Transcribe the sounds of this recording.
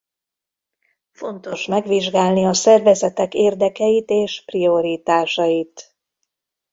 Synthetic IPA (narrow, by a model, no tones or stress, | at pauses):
fo̞nt̪o̞ʃmɛɡʋiʒɡaːlniɒsɛrvɛzɛt̪ɛkeːrd̪ɛkɛjit̪eːʃprio̞ɾiːt̪aːʃɒjit̪